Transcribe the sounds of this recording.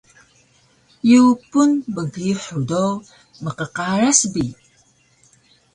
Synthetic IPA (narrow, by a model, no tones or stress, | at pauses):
jupunbəɣiħudow | məqəqaɾasbi